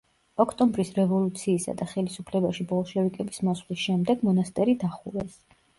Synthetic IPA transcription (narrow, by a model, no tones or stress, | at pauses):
ɔkʰt̪ʼɔmbɾisɾɛvɔlˠut̪sʰiːsa̰d̪aχɛlisupʰlɛbaʃibɔlˠʃɛvikʼɛbismɔsχlisʃɛmd̪ɛɡmɔnast̪ʼɛɾid̪aχuɾɛs